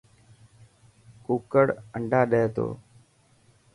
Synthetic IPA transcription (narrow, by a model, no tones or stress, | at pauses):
kuːkəɽəɳɖʱaːɗeːt̪o̰ː